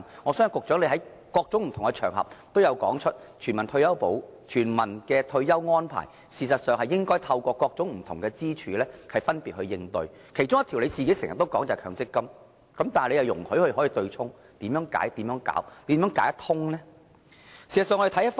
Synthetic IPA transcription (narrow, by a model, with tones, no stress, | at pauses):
ŋɔː˨˧sœː˥ŋ˨˩kʊ˨k̚t͡sœː˨˥nle˨˧jɦɐ˨˥j | kɔː˧k̚t͡sʊ˨˥ŋm̩˨˩t̪ʰʊ˨˩ŋkɛ˧t͡ʃʰœː˨˩ŋɦɐ̰˨p̚t̪o˥wjɐ˨˧wkɔː˨˥ŋt͡ʃʰɵ˥t̚ | t͡ʃʰyː˨˩nmɐ˨˩nt̪ʰɵ˧ɥjɐ˥wpo˨˥wt͡ʃʰyː˨˩nmɐ˨˩nkɛː˧t̪ʰɵ˧ɥjɐ˥wŋɔː˥npʰa̰ː˨˩j | siː˨˩s̬ɐ˨t̚sœː˨ŋhɐ˨jɪ˥ŋkɔː˥jt̪ʰɐ˧wkʷɔː˧kɔː˧k̚t͡sʊ˨˥ŋm̩˨˩t̪ʰʊ˨˩ŋkɛː˧t͡siː˥t͡ʃʰyː˨˧lɛː˥hɐ˨jfɐ˥npiː˨t̚hɵ˧ɥjɪ˧ŋt̪ɵ̰˧ɥ | kʰe˨˩jt͡sʊ˥ŋjɐ˥t̪ʰi˨˩wle˨˧jt͡siː˨ke˨˥jsŋjɐ̰˨t̪ːo˥wkɔː˨˥ŋt͡sɐ˨˩kʰœː˨˧ŋt͡sɪ˥kːɐ˥m | kɐ˨˥mt̪aː˨le˧jɐ˨˩wjʊ˨˩ŋhɵ˨˥jhɵ˧hɔː˨˥ji˨˧t̪ɵ˧ɥt͡sʰʊ˥ŋ | t̪iː˨˥mjœː˨˥ŋka̰ː˨˥jt̪iː˨˥mjœː˨˥ŋka̰ː˨˥wt̪i˨˥mjœː˨˥ŋkaː˨˥jt̪ʰʊ˥ŋnɛː˥ | siː˨˩sɐ˨sœː˨˧ŋːɔ˧˥e˨˩t̪ʰjɐ˥t